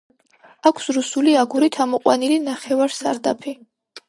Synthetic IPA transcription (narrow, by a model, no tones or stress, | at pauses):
akʷʰsɾusuliaɡuɾit̪ʰamɔqʼwa̰nilinaχɛvaɾsaɾd̪a̰pʰi